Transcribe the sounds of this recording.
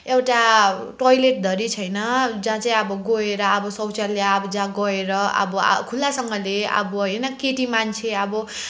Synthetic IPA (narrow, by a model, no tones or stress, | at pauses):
ewʈa | ʈojleʈ̚d̪ʱʌɾit͡sʰʌjnʌd͡zãt͡saĩʌbʌɡoeɾʌːbʌsʌwt͡salːjaːbʌd͡zãɡʌeɾʌʌ̰bʌ̰kʰulːasʌŋɡʌleʌ̰bʌɦʌjnʌkeʈimant͡sʰeʌbʌ